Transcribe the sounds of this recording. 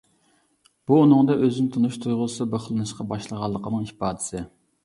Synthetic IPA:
b̥uːnɨŋd̪ɑʔøzynɪt̪ʰunuʃt̪ʰujʁʊsɨbəχlˠɨnɨʃqɑbɑʃlˠəʁɑlˠːəqʰənɨŋhipɑːd̪ɪ̥sɨ

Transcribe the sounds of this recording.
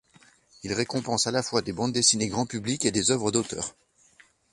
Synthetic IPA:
ilʁekɔ̃pɑ̃salafwad̪ebɑ̃d̪d̪esineɡʁɑ̃pybliked̪ezœvʁəd̪ot̪œ̰ːʁ

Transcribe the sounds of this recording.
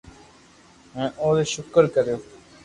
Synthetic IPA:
mɛ̃ːʔoːd̪eʃʊkəɾkəɾejoː

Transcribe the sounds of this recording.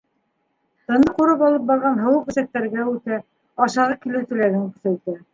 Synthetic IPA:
t̪ɤ̆nd̪ɤquɾɤpɑlˠɤp̚bɑɾʁɑnɦɤ̆wɤq̚ɵ̆sæk̚t̪ːæɾɡæʉt̪æ | ɑʃɑʁɑkilɘ̆wt̪ɘ̆læɡɘŋkɵ̥̆θæj̪t̪æ

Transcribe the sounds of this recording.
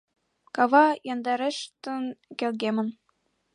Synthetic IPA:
kɑβɑjɑnd̪ɑɾeʃt̪ɤ̆nkʲelɡemɘ̆n

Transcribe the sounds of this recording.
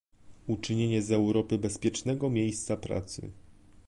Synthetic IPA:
ut͡ʂɘɲeɲɛzɛwɾɔpɘbɛspʲjɛt͡ʂnɛɡɔmʲjejst̪sapɾa̰t̪sɘ̰

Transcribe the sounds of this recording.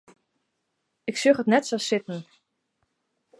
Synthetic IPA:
ɪksøχətnɛtsɔsɪtn̩

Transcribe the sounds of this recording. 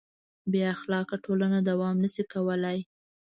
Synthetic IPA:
beaxlɑkaʈolanad̪awɑmnəsikawəlaj

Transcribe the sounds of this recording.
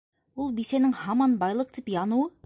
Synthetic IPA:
ulˠbisenɪŋhɑmɑnbɑjlˠɤq̚t̪ipjɑnuwɤ

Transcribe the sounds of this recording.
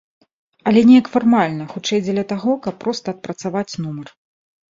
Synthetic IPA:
ɐlʲɛnʲɛjɐkfarmalʲnɐxut͡ʂɛjd͡zʲɛlʲɐt̪aɣɔkɐpːɾɔst̪ɐɐt̪̚pɾɐt̪savat͡sʲnumɐr

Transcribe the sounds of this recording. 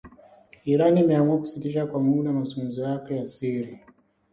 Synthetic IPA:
iɾaniːmɛamuaku̥sitiʃakwamuɗamazuŋɡum̩zɔjakɛjasiɾi

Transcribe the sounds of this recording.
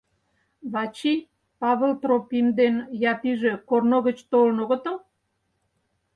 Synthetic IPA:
βɑt͡ɕij | pɑβəlt̪ropimd̪enjɑpiʒe̽kornoɣət͡ɕt̪olənoɣə̆t̪o

